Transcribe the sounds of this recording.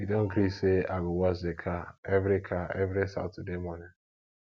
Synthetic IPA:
idɔ̃n̩ɡɾiseaɡʊwazɪkʰaevɾikʰaevɾisa̰ʊtdemɔna

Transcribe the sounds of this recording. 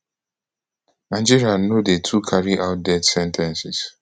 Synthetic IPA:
ãnd͡ʒiɾianodetʰukʰaɾiʔaʊt̚dɛtsɛ̃ntʰɛ̃nsɪs

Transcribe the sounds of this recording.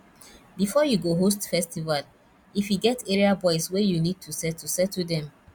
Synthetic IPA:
bifɔjuɡoɦostfɛstival | ifjuɡɛteɹiabɔɪswɛjunid̚tʰusɛtʰːusɛtʰːudɛ̃m

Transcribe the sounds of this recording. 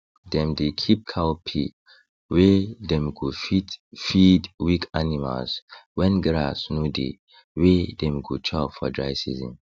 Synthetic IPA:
dɛ̃mdekʰip̚kʰawpʰḭ | wɛdɛ̃mɡuitfidwikanima̰lswɛ̃nɡɾa̰snudḛ | wedɛ̃mɡut͡ʃʰafɔ̰dɹaɪsḭzḭ̃n

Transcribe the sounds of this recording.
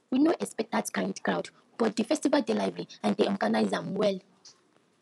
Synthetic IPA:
winoʔɛspɛk̚datkãj̃ndkɹawd | b̥ɔt̚dəfɛstivaldelajvɛɹiãndeʔɔɡanajzãmwɛl

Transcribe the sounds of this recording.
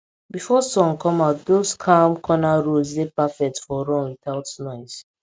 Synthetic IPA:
bifɔsɔ̃ŋkʰɔ̃maʊtdoskʰãmkʰɔnaɹosdepafɛk̚tfɔɹɔ̃nwiθaʊtnɔ̃ɪs

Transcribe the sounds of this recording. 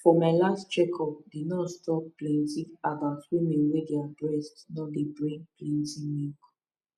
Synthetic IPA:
fɔmaɪlastt͡ʃɛkʰɔp̚dinɔtstɔp̚plɛ̃nzĩavaswemẽwedeadɹɛstnɔdebɹĩŋɡ̚plĩnzĩŋwĩk

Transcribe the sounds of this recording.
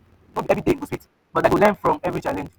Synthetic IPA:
nobiɛvɹideĩnɡuspet | b̥ɔtlawulɛ̃nfɹɔ̃mɛvɹit͡ʃalɛ̃nd͡ʒ

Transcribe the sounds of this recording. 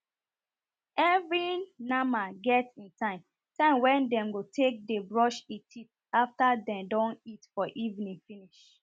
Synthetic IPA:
ɛvɹinãmaɡɛtsĩntʰãɪ̃m | tãɪ̃mwɛ̃ndɛ̃mɡotʰek̚debɹɔʃitʰit̚ | aftadɛ̃mdɔ̃nitfɔʔivnĩŋfiniʃ

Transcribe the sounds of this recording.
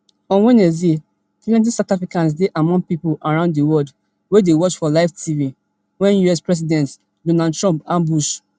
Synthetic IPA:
ɔ̃nwɛ̃nɛse | kilɛ̃nt̬ĩsatafɹikãns̬deʔamɔ̃ŋpipolaɹãʊ̃ndiwɔld | wedewɔt͡ʃfɔlaɪftʰivi | wɛ̃njuɛspɹɛs̬idɛ̃nt | dɔ̃nad̚tɹɔ̃mpãmbuʃ

